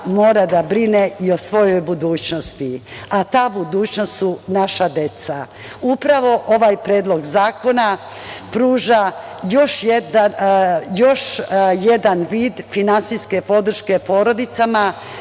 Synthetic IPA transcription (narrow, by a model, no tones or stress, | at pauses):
mo̞ːɾad̪abɾineio̞sʋo̞jo̞jbud̪uːt͡ɕno̞st̪iat̪aːbud̪uːt͡ɕnost̪sunaʃad̪e̞t̪sa | upɾaʋo̞ʔo̞ʋajpɾeːd̪lˠo̞ɡzaːko̞na | pɾuːʒajo̞ʃjed̪ajo̞ʃje̞d̪anʋiːd̪finansiske̞po̞d̪r̩ʃke̞po̞ːɾo̞d̪it̪sama